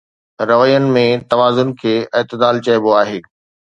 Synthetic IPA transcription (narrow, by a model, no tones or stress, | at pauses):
ɾɐʋəjənɪ̆mẽt̪ɐʋaːzʊnkʰeːɪːt̪ɪd̪aːlt͡ɕɐjboaːɦeː